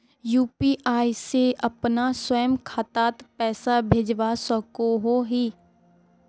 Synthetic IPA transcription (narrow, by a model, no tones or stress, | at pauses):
juːpiːʔaːiseɐpnaswəjəmkʰaːt̪aːt̪pɛːsabʱeːd͡ʒʋasəkoɦoɦiː